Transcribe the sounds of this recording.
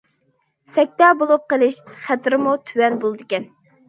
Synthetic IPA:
sɛk̚ʲt̪ɑːbolˠup̚qəlˠɪʃχæt̪ɾɪmut̪ʰywɛnbolˠɨd̪ɪkʲɛn

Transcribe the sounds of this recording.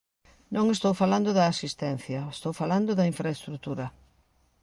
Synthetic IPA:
nõŋest̪owfaland̪ʊðɐːsist̪ɛn̟θjɐest̪owfaland̪ʊðɐiɱfɾaest̪ɾut̪uɾɐ

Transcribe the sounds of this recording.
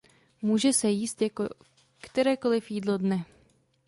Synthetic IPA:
muːʒɛsɛjiːst̪jako | kt̪ɛɾɛːkolɪfjiːdlodnɛ

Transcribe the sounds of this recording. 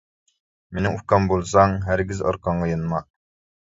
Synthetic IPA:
menɪŋufkɑmbolˠsɑŋɦæɾɡʲizɑ̰ɾqɑɴʁɑjɨnmɑ

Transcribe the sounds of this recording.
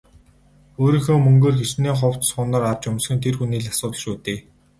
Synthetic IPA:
oːɾiːŋxoːmɵŋɡoːrxet͡ɕneːχʊw̥t̪sχʊːnɔːrart͡ɕʊmsxɘ̆nt̪ʰerxuniːɮasʊːt̪ə̆ɮʃuːt̪eː

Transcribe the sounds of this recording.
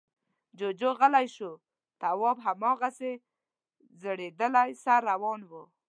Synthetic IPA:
d͡ʒod͡ʒoɣəlajʃu | t̪awɑbɦamɑɣase | zəɽed̪əlajsaɾːawɑnwu

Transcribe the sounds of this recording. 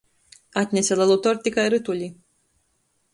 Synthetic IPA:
at̪ʲnʲɛsʲɛlˠɛlˠut̪ɔɾt̪ʲikajɾɨt̪ulʲi

